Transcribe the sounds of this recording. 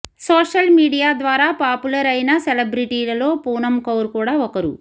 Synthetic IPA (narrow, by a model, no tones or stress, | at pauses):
soːʂɐlmiːɽijaːd̪ʋaːɾaːpaːpulɐɾɐjnɐselebɾiʈiːlɐlo̞ːpuːnɐmkɐwɾkuːɽaːɔkɐɾṵ